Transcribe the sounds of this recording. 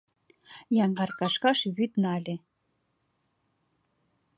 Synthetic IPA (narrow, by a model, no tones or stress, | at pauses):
jɑŋɡɑrkɑʃkɑʃβyt̪nɑlʲe